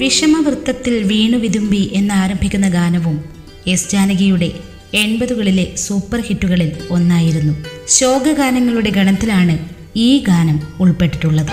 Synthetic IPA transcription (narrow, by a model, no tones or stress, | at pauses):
ʋiʂɐmɐʋrɨt̪ːɐt̪ːilʋiːɳuʋiðumbiʔe̞nːaːɾɐmbʱikʲːunːɐɡaːnɐʋum | e̞sd͡ʑaːnɐɣɐjuɽe̞ | eɳbɐðuɣɐɭile̞suːpːɐrhiʈːuɣɐɭilo̞nːaːjiɾunːuɕo̞ːɡɐɡaːnɐŋːɐɭuɽe̞ɡʱɐɳɐt̪ːilaːɳɨ | iːɡaːnɐmuɭpe̞ʈːiʈːuɭːɐðɨ